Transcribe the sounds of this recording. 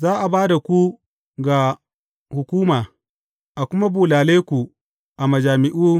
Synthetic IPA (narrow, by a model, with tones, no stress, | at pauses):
zaː˦ʔa˨baː˦da˨kʷu˦ | ɡa˨ | hʊ˨kʷuː˦maː˨ | ʔa˨kʷʊ˦ma˦buː˨laː˨leː˦kʷu˨ | ʔa˨mɐ˨d͡ʒaː˨mɪ˦ʔuː˦